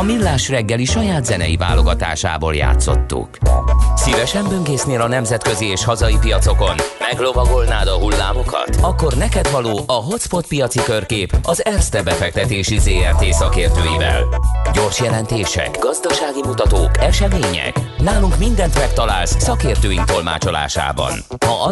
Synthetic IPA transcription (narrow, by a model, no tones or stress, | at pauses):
ɒmilːaːʃrɛɡːɛliʃɒjaːd̪zɛnɛ̰jiva̰ːlo̞ɡɒt̪a̰ːʃa̰ːbo̰ːlja̰ːt̪so̞̰t̪ːṵksivɛʃɛmbøŋɡeːsneːlɒnɛmzɛt̪kø̞zieːʃhɒzɒjipijɒt̪so̞ko̞nmɛɡlo̞vɒɡo̞lnaːd̪ɒɦulːa̰ːmo̞kɒ̰t̪ɒkːo̞rnɛkɛd̪vɒloːʔɒɦo̞t̪spfo̞t̪̚pijɒt̪sikø̞rkeːpɒzɛrst̪ɛbɛfɛk̚t̪ɛt̪eːʃizeːɛrt̪eːsɒkeːrt̪øːjivɛ̰lɟo̞rʃjɛlɛnt̪eːʃɛ̰kɡɒzd̪ɒʃaːɡimut̪ɒt̪oːkɛʃɛmeːɲɛ̰knaːluŋkmind̪ɛnt̪mɛkt̪ɒlaːlssɒkeːrt̪øːjint̪o̞lma̰ːt͡ʃo̞la̰ːʃa̰ːbɒ̰nhɒʔɒ